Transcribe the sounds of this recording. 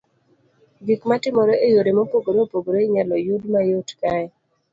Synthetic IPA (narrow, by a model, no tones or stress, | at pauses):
ɡikmatɪmɔɾɔejoɾemopoɡoɾopoɡoɾoiɲalɔjudmajotkaɛ